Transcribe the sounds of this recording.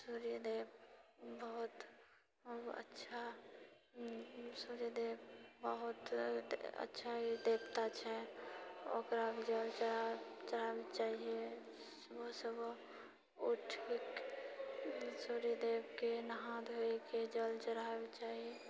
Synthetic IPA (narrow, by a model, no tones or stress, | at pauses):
suːɾijəd̪eːbbəɦʊt̪ | ə̰tːʃʰa | suːɾijəd̪eːbbəɦʊt̪ | ə̰tːʃʰaɦid̪eːbt̪at͡ʃʰɛ | o̰kɾabd͡ʒəlt͡ʃəat͡ʃəɾabet͡ʃaːɦie | ʋosəb | oʈʰik | suɾijəd̪eːbkenəɦãd̪ɦoiked͡ʒəlt͡ʃəɾabet͡ʃaːɦie